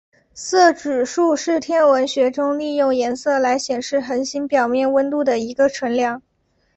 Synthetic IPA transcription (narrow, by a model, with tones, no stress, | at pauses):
sɤ˥˩ʈ͡ʂɻ̩˨˩ʂu˥˧ʂɻ̩˥˩t̪ʰjɛ˥nwə˧˥nɕɥɛ˧˥ʈ͡ʂʊ˥ŋli˥˧jʊ˥˩ŋjɛ˧˥nsɤ˥˩la˧˥ɪɕjɛ˨˩nʂɻ̩˥˩xə˧˥nɕi˥npjɑ˨˩ʊmjɛ˥˩nwə˥nt̪u˥˩d̪ə˩i˧˥ɡə˧ʈ͡ʂʰwə˧˥nljɑ˧˥˦ŋ